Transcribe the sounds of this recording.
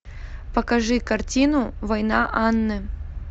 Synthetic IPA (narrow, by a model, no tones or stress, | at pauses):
pɐkɐʐɨkɐrtʲinʊvɐjnaʔanːɨ